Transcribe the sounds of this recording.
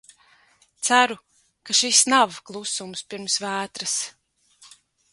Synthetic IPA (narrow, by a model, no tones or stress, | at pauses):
t̪sæɾu | kaʃisnavklˠusumspiɾmsvæːt̪ɾɨs